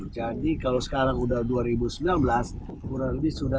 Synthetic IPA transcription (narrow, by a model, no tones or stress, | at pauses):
d͡ʒadikalowsə̥kaɾaŋudahduaɾibusəmbilanbəlas | kuɾaləbɪsuda